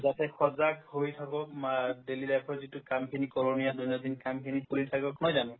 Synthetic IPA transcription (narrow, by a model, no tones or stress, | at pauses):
zatɛxɔzakhojtʰakɔmadelilajpʰɔɹzitukamkʰinikɔlonijaduniadinkamkʰinipulitʰakbɔkɔnɔjzanɔ̃